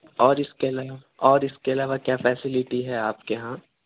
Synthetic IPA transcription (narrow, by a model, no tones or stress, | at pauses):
ɔːɾɪskeɐlaːʋa | ɔːɾɪskeɐlaːʋakjaːfɛːsɪlɪʈiɦɛaːpkeɦãː